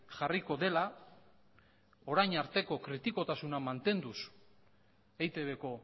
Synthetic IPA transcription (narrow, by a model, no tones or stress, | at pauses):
ʝariko̞ðe̞la | o̞ɾajɲaɾt̪e̞ko̞kɾit̪iko̞t̪asunamant̪e̞nd̪us | ejt̪e̞βe̞ko̞